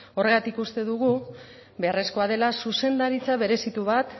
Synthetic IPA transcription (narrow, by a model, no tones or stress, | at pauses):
o̞re̞ɣat̪ikust̪e̞ðuɣ̞u | βe̞aresko̞að̞e̞lasuse̞nd̪aɾit͡saβe̞ɾe̞sit̪uβat̪